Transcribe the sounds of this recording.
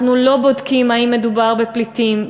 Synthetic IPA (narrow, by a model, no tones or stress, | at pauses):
nulo̞bo̞dkimaimːe̞dubaʁbeplitim